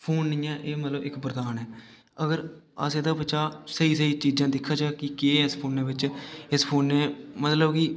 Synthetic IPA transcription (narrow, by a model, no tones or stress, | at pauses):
pʰoːnːijãːʔeːmət̪ləbɪkbəɾəd̪aːnɦɛː | əɡəɾ | ə̰seːd̪aːbət͡ʃaːsəiːsəiːt͡ʃiːd͡ʒãːd̪ɪkʰːaːt͡ʃaːkɪkeːɪspʰoːnːeːbɪt͡ʃɪspʰoːnːeːmət̪ləbkɪ